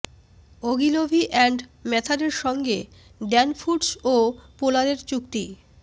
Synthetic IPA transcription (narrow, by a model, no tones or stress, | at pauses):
oɡilobʱiʔɛɳɖmɛt̪ʰaɾeɾʃɔŋɡe | ɖɛnfuɖsopolaɾeɾt͡ɕukt̪i